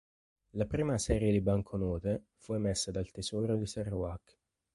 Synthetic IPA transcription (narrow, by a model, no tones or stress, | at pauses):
lapɾiːmasɛːɾjed̪ibaŋkʰonɔːt̪e | fuemesːad̪alt̪ezɔːɾod̪isaruakː